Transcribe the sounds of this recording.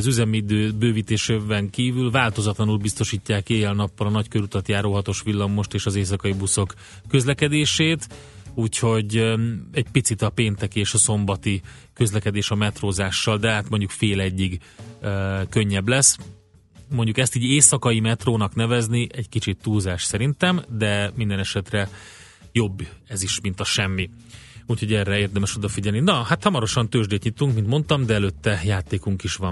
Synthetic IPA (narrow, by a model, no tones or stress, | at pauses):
zyzɛmid̪øːbøːviːt̪eːʃebɛŋkiːvylvaːlt̪o̞zɒt̪lɒnulbist̪o̞ʃiːcːaːkeːjɛlnɒpːɒlɒnɒckøɾut̪ɒt̪jaːɾolɦɒt̪o̞ʃʋilːɒmːo̞ʃt̪eːʃɒzeːs̬ɒkɒjibuso̞kː | ø̞zlɛkɛd̪eːʃeːt̪ | uːcho̞ɟɛɟpit̪sit̪ɒpeːnt̪ɛkieːʃɒso̞mbɒt̪i | kø̞zlɛkɛd̪eːʃɒmɛt̪roːzaːʃːɒld̪ɛɦaːt̪mo̞ɲɟukfeːlɛɟːiɡ | kø̞ɲːɛblɛs | moɲɟukɛst̪iːɟeːsɒkɒimɛt̪roːnɒknɛvɛzniʔɛɟkit͡ʃit̪ːuːlzaːʃsɛɾint̪ɛmd̪ɛmind̪ɛnɛʃɛt̪rɛ | jo̞bːɛziʃmint̪ɒʃɛmːi | uːcho̞ɟɛrːɛeːrd̪ɛmɛʃo̞d̪ɒfiɟɛlninɒhat̪hɒmɒɾo̞ʃɒnt̪øːʒd̪eːt̪ɲit̪uŋkmint̪mo̞nt̪ɒmd̪ɛɛløt̪ːɛjaːt̪eːkuŋkiʃʋɒm